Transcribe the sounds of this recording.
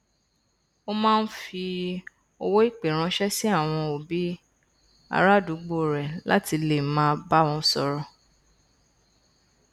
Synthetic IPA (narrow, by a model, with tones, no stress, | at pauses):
o˦mãː˦˧n̩˦fi˧ | o˧wo˦i˦˨k͡pe˨ɾ̃ã˧ʃɛ˦si˦a˦˨w̃ɔ̃˧o˨bi˨˦ | a̰˧ɾa˦du˨˦ɡ͡bo˦˨ɾɛ˨la̰˦ti˧le˨mãː˦ba˦wɔ̃˧˦sɔ˧ɾɔ˧